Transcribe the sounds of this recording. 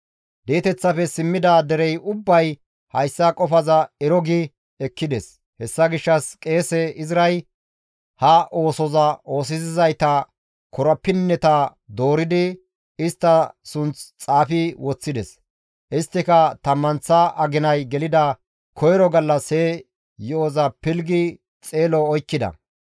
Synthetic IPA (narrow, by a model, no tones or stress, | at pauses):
d̪eːt̪ɛt͡sːɐfɛsɪmːɪd̪ɐd̪ɛɾɛjʔʊbːɐj | hɐjsːɐkʼɔfɐzɐɛɾɔɡɪ | ɛkːɪd̪ɛs | hɛsːɐɡɪʃːɐskʼe̞ːsɛʔɪzɪɾɐj | hɐʔo̞ːsɔzɐo̞ːsɪzɪzɐjt̪ɐ | kʰɔɾɐpːɪnːɛt̪ɐd̪o̞ːɾɪd̪ɪ | ɪst̪ːɐsʊnt͡st͡sʼaːfɪwɔt͡sːɪd̪ɛs | ʔɪst̪ːɪkɐt̪ɐmːɐnt͡sːɐʔɐɡɪnɐjɡɛlɪd̪ɐ | kʰɔjɾɔɡɐlːɐse | jɛɔzɐpɪlɡɪ | t͡sʼe̞ːlɔːjkːɪd̪ɐ̰